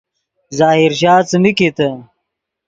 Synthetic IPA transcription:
zaːhiɾɕ̬aːt͡sɨmiket̪ɐ

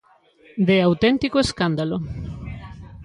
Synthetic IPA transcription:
d̪eawt̪ent̪ikoeskand̪alo

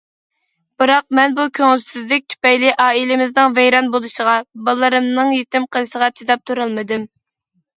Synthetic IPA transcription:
b̥ɨɾɑq̚mɛnbukʲʰøŋɪlsɪzlɪk̚ʲt̪ʰy̥pɛjlɪʔɑːilɪmɪznɨŋvɛjɾɑnbolˠuʃəʁɑbɑlˠːɨɾɨmnɨŋjet̪ɪmqʰəlˠɨsəʁɑt͡ʃʰid̪ɑp̚t̪ʰuɾɑlˠmɨd̪ɨm

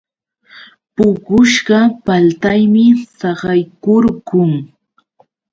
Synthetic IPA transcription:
pʊkʊʃɢɑpalt̪ajmɪssɑɢɑjkʊɾɢʊŋ

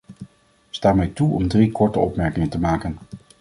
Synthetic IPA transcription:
staːmɛjtuɔmdrikɔɹtəɔpmɛɹkɪŋəntəmaːkən

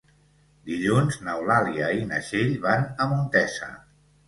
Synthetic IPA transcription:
d̪iʎunznəwlaliəinəʃeʎβanəmunt̪ɛsə̰

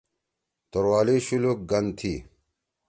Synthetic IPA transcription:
t̪oɾwaːliɕuluk̚ɡɐnt̪ʰiː

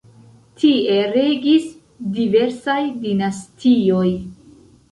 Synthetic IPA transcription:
tʰieɾe̞ɡis | dive̞ɾsajdinastʰio̞j

